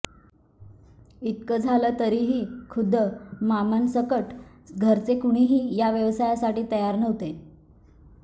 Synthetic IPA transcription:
it̪̚kəd͡zʱaləːt̪əɾiːɦiːkʰud̪ʱːəmamənsəkəʈɡʱəɾt͡sekuɽ̃iɦiːjaʋjəʋsajasaʈiːt̪əjaɾnəʋt̪e

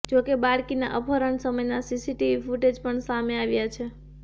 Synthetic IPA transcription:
d͡ʒokebaɽkina̰ʔəpʰəɾəɳsəməjnasisiʈiʋifuʈed͡ʒpəɳsameaʋjat͡ʃʰe

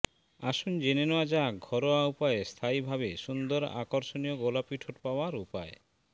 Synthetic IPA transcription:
aʃund͡ʑenenoad͡ʑaɡʱɔɾoaupaest̪ʰaibʱabeʃund̪oɾa̰koɾʃonijoɡolapiʈʰoʈpaoaɾupae

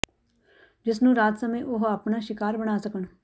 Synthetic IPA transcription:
d͡ʒɪsnũːɾaːt̪səmẽʔʊɦapɳaːʃɪkaːɾbəɽ̃aːsəkəɳ

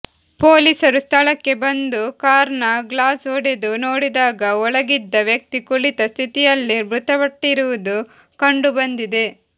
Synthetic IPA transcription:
poːliːsɐɾust̪ʰɐɭɐkːe̞bɐnd̪ukaːɾɐɳɐɡlaːsoːɽed̪unoːɽid̪aːɡɐɔɭɐɡid̪ːɐʋjɐk̚t̪ikuɭit̪ɐst̪ʰit̪ijɐlːibɾut̪ɐʋɐʈːiɾuʋud̪u | kɐɳɖubɐnd̪id̪e̞

